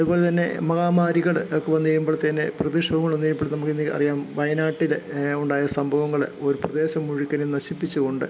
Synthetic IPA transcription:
ɐðubo̞ːle̞t̪ɐnːe̞̰mɐɣaːmaːɾiɣɐɭokːeʋɐnːiiɾumboːɭt̪ɐnːe̞̰prɐðiʂɐʋɐŋːɐɭonːiikumboːnɐmukːinːiɐ̰rijaːmʋɐjɐnaːʈːiluɳɖaːjɐsɐmbʱɐʋɐŋːɐɭo̞ɾuprɐd̪e̞ːɕɐmːuɻikʲːɐnenɐɕipːit͡ɕːuɣo̞ɳɖɨ

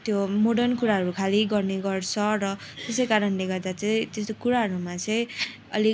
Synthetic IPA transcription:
t̪jomoɽʌrnkuɾaɦʌɾukʰaliɡʌrneɡʌrt͡sʰʌrʌt̪esʌjkaɾʌnleɡʌrd̪at͡saĩt̪est̪okuɾaɦʌɾumat͡sʌĩ | ʌ̰li

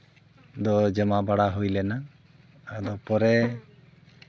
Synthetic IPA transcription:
d̪ɔd͡ʒɛmabaɽaɦojlɛnaː | d̪ɔpɔɾɛ

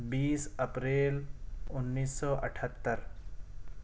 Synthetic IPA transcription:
biːsəpɾeːlʊnːiːsːɔːʔə̰ʈʰət̪ːəɾ

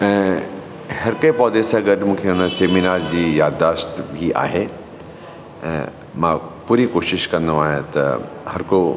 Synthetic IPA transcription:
hɐɾkəipɔːd̪esaɡəɖmũːkʰeʊnəseːminaːɾd͡ʑiːjaːd̪aːʃt̪bʱiʔa̰ːɦe | mãpuːɾikoːʃɪʃkɐ̃nd̪õaːɦẽt̪ɐ̰ | hɐɾko

